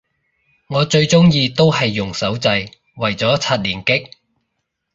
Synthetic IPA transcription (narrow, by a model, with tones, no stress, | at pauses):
ŋɔː˨˧t͡ʃɵ˧ɥt͡sʊ˥ŋjiː˧t̪o˥whɐ˨jːʊ˨˩ŋsɐ˨˥wt͡sɐ˧j | wɐ˨˩jt͡sɔː˨˥t͡sʰɐ˥t̚liː˨˩nkɪ˥k̚